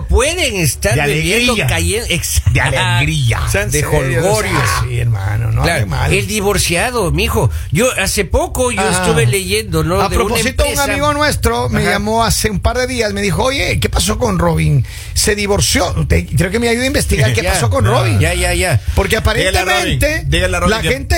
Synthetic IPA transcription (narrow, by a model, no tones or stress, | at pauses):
pweðeŋest̪aɾd̪ealeɣɾiaajeesd̪ealeɣɾia̰sd̪exoloɾjosiḛɾma̰no̰nolaema̰leld̪iβoɾsjaðomixoʝoʔasepokoʝoest̪uβeleʝend̪onoaðpɾopoes̬it̪oueŋamiɣonwe̞st̪ɾo̞meʝamo̞ase̞umpaɾðe̞ðiasme̞ðixo̞oʝe̞ke̞pas̬o̞konroβiŋ | se̞ðiβo̞ɾsjo̞t̪ekɾeokemeajuðaimbe̞st̪iɣaɾkepaso̞konroβiŋaʝaʝapo̞ɾk̬eapaɾentemẽnt̪ed̪eɣalalaent̪e